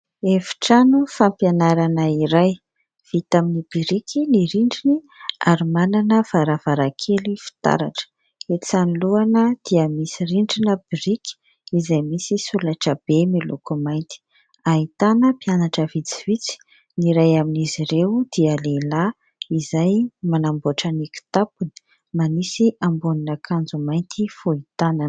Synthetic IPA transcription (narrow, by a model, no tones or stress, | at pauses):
efi̥ʈ͡ʂanufampjanaɾanəiɾaj | v̥it̪aminib̥iɾikʰiniɾiɳɖ͡ʐini | a̰ɾumananəv̥aɾav̥aɾakʰelifi̥t̪a̰ɾa̰ʈ͡ʂə̥ | et͡saniluanəd̪̥iəmisiriɳɖ͡ʐinəbiɾiki̥ | izajmisisulaʈ͡ʂəb̥emelṵkumajnt̪i̥ | ait̪anəpianaʈ͡ʂəvit͡sivit͡si̥ | niɾajaminiziɾewd̪̥iəlela | izajmanamboʈ͡ʂaniku̥t̪apunə̥ | manisiʔambuninakʰand͡zumajnt̪ʰifoit̪anan